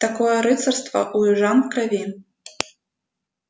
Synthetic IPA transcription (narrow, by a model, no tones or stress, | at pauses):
t̪akɔjɛɾɨt̪sɐrst̪vɐ̰ʔuʐankɾavʲi